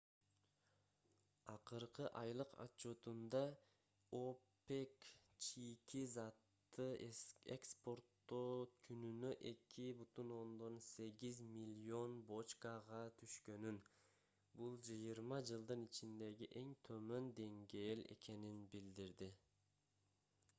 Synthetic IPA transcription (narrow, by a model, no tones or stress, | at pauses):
ɑqɯɾqɯʔɑjlˠɯqʰɑ̰t͡ʃːo̞t̪und̪ɑ | ope̞kt͡ʃijkizɑt̪ːɯḛkspo̞rt̪ːokʰynynøʔe̞kʲʰibyt̪uno̞nd̪o̞nse̞ɡizmʲilʲio̞nbo̞t͡ʃkaʁɑt̪ʰyʃkø̞nyn | bulˠd͡ʒɯjɯɾmɑd͡ʒɯlˠd̪ɯnit͡ʃind̪e̞ɡiʔe̞ŋt̪ʰø̞mø̞nd̪e̞ŋɡe̞ːle̞̰ke̞ninbild̪iɾd̪i